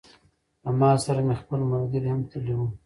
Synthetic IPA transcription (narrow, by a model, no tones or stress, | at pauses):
amɑsaɾamexpəlmawɡ̪iɾhamt̪ʰəliwu